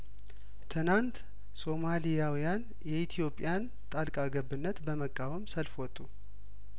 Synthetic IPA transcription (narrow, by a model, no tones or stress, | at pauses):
t̪ʰɨnant̪ | so̞malijawijan | jɛit̪ʰijo̞pʼːɪjan | t̪ʼalkʼaɡəbɨnːət̪bəməkʼːawəmsəlfwɔt̪ʼːu